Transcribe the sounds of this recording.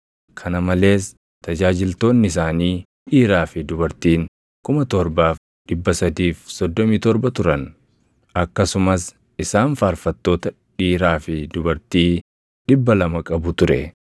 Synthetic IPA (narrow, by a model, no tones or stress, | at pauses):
kʰɐnɐmɐle̞ːs | t̪ɐd͡ʒaːd͡ʒɪlt̪o̞ːnːɪɪs̬aːniː | ᶑiːɾaːfɪd̪ʊbɐɾt̪iːŋ | kʊmɐt̪ɔɾbaːf | ᶑɪbːɐsɐd̪iːfsɔd̪ːɔmiːt̪ɔɾbɐt̪ʊɾɐn | ɐkːɐsʊmɐs | ɪsaːnfaːɾfɐt̪ːo̞ːt̪ɐ | ᶑiːɾaːfɪd̪ʊbɐɾt̪iː | ᶑɪbːɐlɐmɐkʼɐbʊt̪ʊɾɛ̰